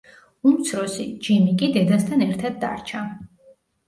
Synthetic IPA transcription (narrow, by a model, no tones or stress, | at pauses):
umt̪sʰɾɔsid͡ʒimikʼid̪ɛd̪ast̪ʰanɛɾt̪ʰad̪̚ːa̰ɾt͡ʃʰa